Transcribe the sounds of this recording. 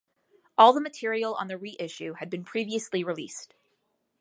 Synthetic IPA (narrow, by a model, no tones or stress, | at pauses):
ʔɔlˠðəmɨtʰɪɹil̩ˠə̰̃nðɨɹiʔɪʃʉɨd̚bɨ̃npʰɹ̥iviɨsliɹilḭst